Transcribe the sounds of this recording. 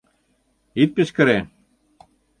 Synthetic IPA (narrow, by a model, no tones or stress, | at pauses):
it̪̚pɘ̆ʃkɘ̆ɾe